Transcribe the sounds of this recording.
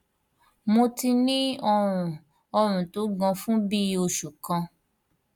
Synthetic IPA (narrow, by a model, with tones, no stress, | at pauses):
mo˧ti˧nĩ˦ɔ˧ɾ̃ũ˨ | ɔ˧ɾ̃ũ˨to˨˦ɡã˧fũ˦bi˦o˧ʃu˨kã˧